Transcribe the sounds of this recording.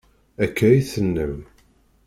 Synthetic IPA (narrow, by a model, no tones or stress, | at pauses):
ækːɾiθənːə̰m